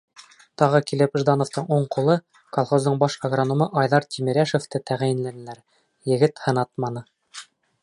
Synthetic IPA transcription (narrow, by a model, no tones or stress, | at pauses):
t̪ɑʁɤkilɘpʒd̪ɑnoft̪ɤɴuɴqulˠɤ | kolˠχozd̪ɤɴbɑʃɑɡronŏmɤʔɑjðɑɾt̪ʰʲimʲiɾæʃoft̪ɤt̪æʁjɘ̆nlænɘ̆læɾ | jɘ̆ɡɘt̪hɤ̆nɑt̪̚mɑnɤ